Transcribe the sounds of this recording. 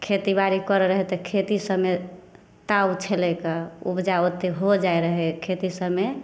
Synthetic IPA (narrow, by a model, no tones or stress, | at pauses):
kʰet̪ibaɾikəɾɾəɦɛt̪ɔkʰet̪isəbme | t̪aut͡ʃʰelɛkaṵbd͡ʒaot̪eɦod͡ʒaeɾəɦɛkʰet̪isəbme